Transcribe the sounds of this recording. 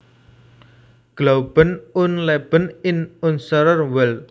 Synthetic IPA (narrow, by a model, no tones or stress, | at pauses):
ɡ̥lowb̥ənʊnlɛb̥ənɪnʊnsəɾərwɛl